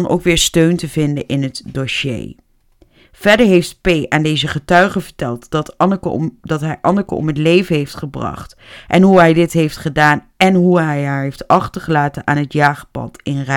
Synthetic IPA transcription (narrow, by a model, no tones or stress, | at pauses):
nʔo̰wkʋɪːɹstøɥntəvɪndəʔɪnɦətdoʃḛj | v̥ɛɹdəɹɦejft̚pejʔaːndejzəχətœɥχəvəɹtɛlˠtt | dɑtɦɛjʔɑnəkə̰ɔ̰mɦətlejvənɦejftχəbrɑ̰χt | ʔɛnɦuɦɛjdɪtɦejftχədaːn | ɛnɦuɦɛjɦaːɹɦejftɑχtəɹχəlaːtənʔaːnɦətjaːχəpɑ̰tɪnrɛ